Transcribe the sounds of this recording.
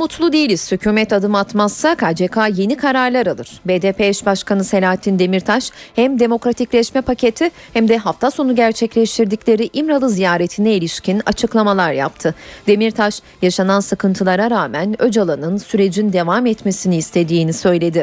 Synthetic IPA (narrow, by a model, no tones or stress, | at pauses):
mut̪ʰlˠud̪ejilʲiz̥hycʰyːmɛt̪ad̪ɯmat̪masːakʰaːd͡ʒekʰaːje̞nikʰaɾaɾlˠaɾalˠɯɾ̥beːd̪eːpeɛʃbaʃkʰanɯse̞lʲaːɦat̪ʰːind̪e̞miɾt̪ʰaʃhæmd̪e̞mo̞kɾat̪ʰiclʲɛʃmɛpʰacʰe̞t̪ʰi | hæmd̪ɛɦaft̪ʰaso̞nuɟæɾt͡ʃʰɛclʲɛʃt̪ʰiɾd̪iclʲe̞ɾiʔimɾalˠɯzijaːɾet̪ʰinɛilʲiʃcʰina̰t͡ʃʰɯklˠamalˠaɾja̰p̚t̪ʰɯd̪̥e̞miɾt̪ʰaʃ | jaʃanansɯkɯnt̪ʰɯlˠaɾaɾaːmænø̞d͡ʒalˠanɯnsyɾe̞d͡ʒind̪e̞vamɛt̪me̞siniːst̪ʰe̞d̪iːnisø̞jlʲe̞d̪i